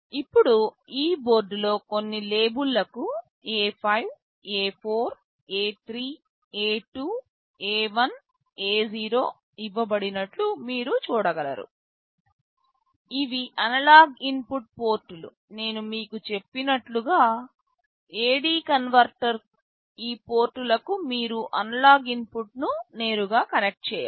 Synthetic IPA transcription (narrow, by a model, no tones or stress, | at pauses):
ipːuɽu | iːbo̞ːɾɖlo̞ːko̞nːile̞ːbulːɐku | eːpʰɐjʋ | eːpʰo̞ːɾ | eːt̪ʰɾiː | eːʈuː | eːʋɐn | eːziːɾo̞ː | iʋːɐbɐɽinɐʈlumiːɾut͡ʃuːɽɐɡɐlɐ̰ɾṵ | iʋiʔɐnɐlaːɡimpuʈ̚po̞ːɾʈːulṵ | ne̞ːnumiːkut͡ʃe̞pːinɐʈluɡaː | e̞ːɽiːkɐnʋɐɾʈɐɾ | iːpo̞ːɾʈːulɐkumiːɾuʔɐnɐlaːɡimpuʈnune̞ːɾuɡaːkɐne̞k̚ʈ̚t͡ʃɛːja̰